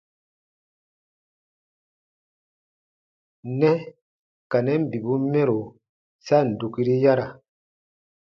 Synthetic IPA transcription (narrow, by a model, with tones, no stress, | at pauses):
nɛ˦ | ka˨nɛ˦m˦˨bi˨bu˦mɛ˦ɾo˨ | sa˦˨n̩˨du˨ki˦ɾi˦ja˦ɾa˨